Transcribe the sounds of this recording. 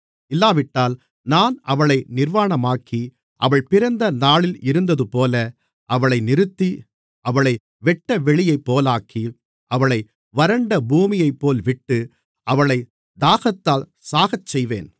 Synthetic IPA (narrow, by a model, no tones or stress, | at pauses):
ɪlːaːʋɪʈːaːl | naːnɐʋɐɭɐɪnɪɾʋaːɳɐmaːkʰi | ʔɐʋɐɭpɪɾɐnd̪ɐnaːɭɪlɪɾɯnd̪ɐðɯpoːlɐ | ʔɐʋɐɭɐɪnɪɾɯt̪ːi | ʔɐʋɐɭɐɪ | ʋɛʈːɐʋɛɭɪjɐɪpːoːlaːkʰi | ʔɐʋɐɭɐɪ | ʋɐɾɐɳɖɐbuːmɪjɐɪpːoːlʋɪʈːɯ | ɐʋɐɭɐɪ | d̪aːɣɐt̪ːaːl | saːɣɐt͡ʃːsɛjʋḛːn